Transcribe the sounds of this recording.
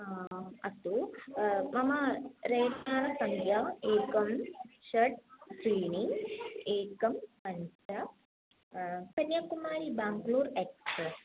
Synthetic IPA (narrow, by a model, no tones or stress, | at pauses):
ɐt̪u | mɐmɐɾɐjtnaːɾɐsɐŋɡʱjɐeːkɐmʃɐʈ̚kɾiːniŋeːkɐmpɐɲt͡ʃɐ | kɐnjɐkumaːɾibaːŋkluːɾeːkspɾes